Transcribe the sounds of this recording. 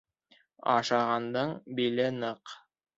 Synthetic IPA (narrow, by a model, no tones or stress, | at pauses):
ɑ̰ʃɑʁɑnd̪ɤɴbilɘnɤq